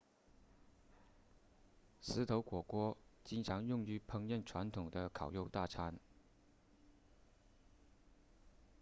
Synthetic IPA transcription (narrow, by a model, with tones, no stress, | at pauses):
sɹ̩˧˥t̪ʰo˧˥ʊkwɔ˨˩kwɔ˥t͡ɕi˥nʈ͡ʂʰɑ˧˥ŋjʊ˥˩ŋy˧˥pʰɤ˧˥ŋjɛ˥˩nʈ͡ʂʰwa˧˥nt̪ʰʊ˨˩ŋd̪ə˦kʰɑ˨˩ʊjo˥˧ʊt̪a˥˩ʈ͡ʂʰa˧˥n